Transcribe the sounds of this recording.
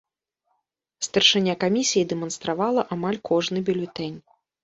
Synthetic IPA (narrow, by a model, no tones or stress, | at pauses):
st̪ɐrʂɨnʲːakamʲisʲijid̪ɛmɐnst̪ɾavalˠɐʔamalʲkʰɔʐnɨbʲulʲut̪ɛnʲ